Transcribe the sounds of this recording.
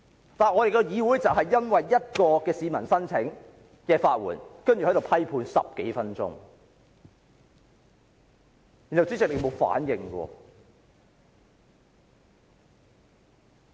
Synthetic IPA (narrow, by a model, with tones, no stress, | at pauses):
t̪aː˨nɔ˨˧ɾe˨jkɔ˧jiː˨˧wuː˨˥jt͡sɐ˨wɦɐ˨jːɐ˥nwɐ˨jːɐ˥t̚kɔː˧kɛː˧siː˨˧mɐ˨˩nsɐ˥nt͡sʰɪ˨˥ŋ | kɛː˧faː˧t̚wṵː˨˩nkɐ˥nɥy˨˩ɐ˨˥jɾo˨wpʰɐ˥jpʰuː˧nsɐ̰˨p̚ke˨˥jfɐ˥nt͡sʊ̰˥ŋ | ji˨˩nhɐ˨wt͡siː˨˥t͡sɪ˨k̚le˨˧˥mo˨˧wfa̰ː˨˥njɪ˨ŋkɔ̰ː˧